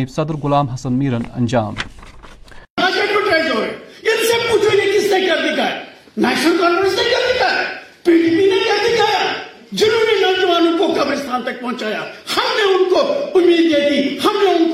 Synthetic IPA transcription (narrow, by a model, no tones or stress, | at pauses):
iːbsɐd̪əɾɡʊlaːmɦɐsɐnmiːɾɐnɐ̰nʲd͡ʒaːm | aːd͡ʒekoʈeːzɦoːeɪnseb̚put͡ʃʰunekɪst̪ekɐɾd̪ɪkʰaːe | nɛːʃnəlkɔ̃ːɳɖɾest̪ɐkɐɾd̪ɪkʰaːepiːʈipinɐkɐɾd̪ɪkʰaːja | d͡ʒʊɾuːɾinɐ̃nd͡ʒʋaːnũkokɐbɾest̪ʰaːnt̪ɐk̚pɐ̃ɦʊ̃t͡ʃaːjahɐmneʊnkoʊmːiːd̪ek̪ihɐmneʊnk